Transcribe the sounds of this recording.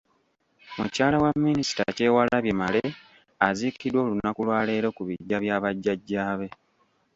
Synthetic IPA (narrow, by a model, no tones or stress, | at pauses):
mucaːlawamːinisi̥ta̰ce̞ːwalaβje̞male | azikidwo̞ːlunakulwaːle̞ːɾo̞kuβiɟːaβjaːβaɟːaɟːaːβe̞